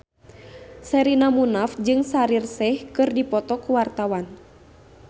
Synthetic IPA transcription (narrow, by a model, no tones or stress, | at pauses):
sɛɾinamunafd͡ʒɨŋsaɾirsɛhkɨrdipɔt̪ɔkuwart̪awan